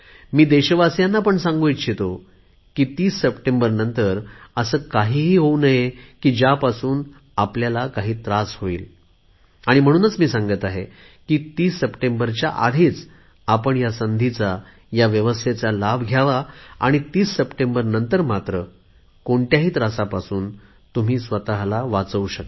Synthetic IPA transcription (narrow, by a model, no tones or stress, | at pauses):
miːd̪eɕʋasjanːapəɳsãŋɡojɕʰet̪o | kiːt̪iːsːəpʈembəɾnənt̪əɾəsəːkaɦiːɦiːɦownəjekiːd͡ʑjapasuːn | apljalakaɦiːt̪ɾashoḭːl | aɽ̃im̤əɽ̃uːnət͡smiːsaŋɡət̪aɦḛ | kiːt̪iːsːəpʈembəɾt͡ɕja̰ʔa̰d̪ʱiːt͡s | apəɳjasənd̪ʱit͡sa | jaʋjəʋəst̪ʰet͡salabʱɡʱjaʋaa̰ɽ̃it̪iːsːəpʈembəɾnənt̪əɾmat̪ɾə | koɳʈjaɦiːt̪ɾasapasuːn | t̪um̤iːsʋət̪aɦlaʋat͡səuɕəkt̪